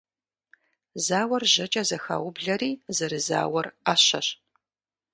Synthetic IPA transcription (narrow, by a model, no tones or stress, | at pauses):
zaːwɐrʑɐt͡ʃʼɐzɐxa̰ːwʊbɮɐɾiːzɐɾɨza̰ːwɐraːɕɐ̰ɕ